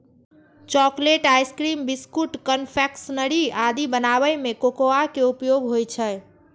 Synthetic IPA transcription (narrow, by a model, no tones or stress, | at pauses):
t͡ʃɔkleʈajskɾimbiskuʈkənpʰɛksnəɾiad̪ibənaβəjmekokoakeupjoɡɦojt͡ʃʰə